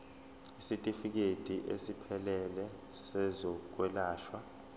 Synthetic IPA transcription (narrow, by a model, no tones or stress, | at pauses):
isitʼifik̬ed̥ʱiʔesipʰɛlɛlɛ | sɛzɔk̬ʼwɛlaːʃwa